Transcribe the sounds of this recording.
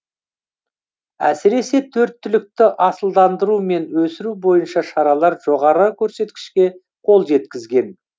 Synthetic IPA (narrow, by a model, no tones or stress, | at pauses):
æ̰sɪɾe̞se̞t̪ʰɵɾt̪ːʏlɪk̚t̪ɪʔɑsəlˠd̪ɑnd̪əɾume̞nwɵsɪɾubo̞jənʃɑʃɑɾɑlˠɑɾʒ̥o̞ʁɑɾəkʲʰɵɾse̞t̪kʲɪ̥ʃkʲe̞ | qʰo̞lˠʒe̞t̪kʲɪzɡʲe̞n